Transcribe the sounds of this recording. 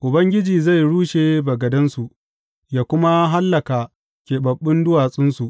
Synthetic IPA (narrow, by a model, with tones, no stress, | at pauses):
ʔʊ˨bɐ˦ŋɡʲɪ˦d͡ʒiː˨za˦˨jɽuː˦ʃeː˨bɐ˨ɡɐ˨dɐ˦nsu˨ʔ | jaː˨kʷʊ˦ma˦ɦa˦lːɐ˨kaː˨ | kʲeː˨bɐ˨ɓːɪ˦ndʊ˦waː˨sʼɪ˦nsu˨ʔ